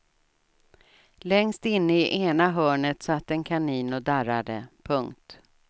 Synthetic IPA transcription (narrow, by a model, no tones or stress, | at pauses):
lɛŋst̪ɪnːəɪʔeːnaɦœːɳət̪sat̪ːɛnkʰaniːnɔd̪aɾad̪ə̰pʰɵŋkt̪